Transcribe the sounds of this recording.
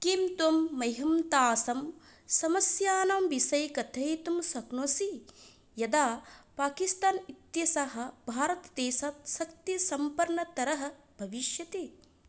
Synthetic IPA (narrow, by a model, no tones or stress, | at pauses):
kimt̪umːɐɦɐmt̪aːsɐm | sɐmɐsjaːnamʋisɐjkɐt̪ʰɐjt̪umsɐknoːsi | jɐd̪aːpaːkist̪aːnit̪jɐsaɦɐ̆bʱaːɾɐt̪d̪eːsaːt̪sɐk̚t̪isɐmpɐɾɳɐt̪ɐɾɐɦɐ̆ | bʱɐʋiʃjɐt̪eː